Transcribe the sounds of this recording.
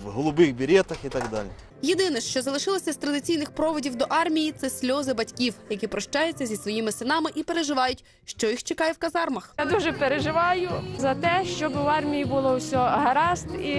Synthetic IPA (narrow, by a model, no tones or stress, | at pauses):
wɦɔlˠʊbɪxbʲiɾʲɛt̪ɐxit̪ɐɡd̪ɑ̰lʲi | jed̪ɪnɛʃt͡ʃɔzɐlˠɪʃɪlˠɐsʲɐst̪ɾɐd̪ɪt͡sʲijnɪxpɾɔʋɔdʲiwd̪ɔʔɑrmʲijit̪sɛsʲlʲɔzɪbɐtʲkʲiwjɐkipɾɔʃt͡ʃɑjɛt͡sʲːɐzʲisʋɔjimɪsɪnɑmɪʔipe̞ɾeʒɪʋɑjʊtʲ | ʃt͡ʃɔjixt͡ʃekɑjɛwkɐzɑrmɐxad̪uʒɛpeɾeʒɪʋɑjʊzɐt̪ɛʃt͡ʃɔbɪwɑrmʲijibʊlˠɔwsʲɔɦɐɾɑst̪i